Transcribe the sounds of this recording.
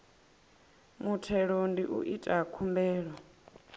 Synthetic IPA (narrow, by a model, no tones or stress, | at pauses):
mutʰɛɺondiʔṵʔitʼakʰumbɛːɺɔ